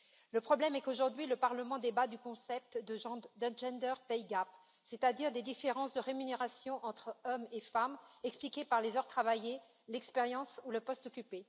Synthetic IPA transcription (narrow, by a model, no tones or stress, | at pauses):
ləpχɔblɛmɛkoʒuʁd̪ɥiləpaʁləmɑ̃d̪ebad̪ykɔ̃sɛp̚t̪d̪əʒɑ̃d̪ɛ̃ʒɛ̃nd̪œʁpɛjɡap | set̪ad̪iʁd̪ed̪ifeʁɑ̃sd̪əʁemyneʁasjɔ̃ʔɑ̃t̪χɔmefamɛksplikʲepaʁlezœʁt̪χavaje | lɛkspeʁjɑ̃suləpɔst̪ɔkʲype